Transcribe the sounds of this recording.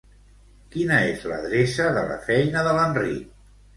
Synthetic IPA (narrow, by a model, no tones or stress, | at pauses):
kinəezlə̰ðɾesəðələ̰fɛjnəðələnrḭk̚